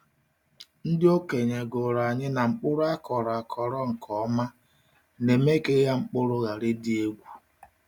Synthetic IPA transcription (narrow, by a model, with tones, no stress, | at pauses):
n̩˦dɪ˦o˦ke˨ɲe˨ɡo˨ɾa˨ɲɪ˦na˨ŋ͡m̩˦k͡pʊ˦ɾʊ˦a˦kʰɔ˨ɾɔ˨a˨kʰɔ˨ɾɔ˦ŋ̩˨kʰɔ˦ma˦ | ne˨me˦ke˦ja˦ŋ͡m̩˦k͡pʊ˦ɾʊ˦ɣa˨ɾe˦di˦e˦ɡʷu˦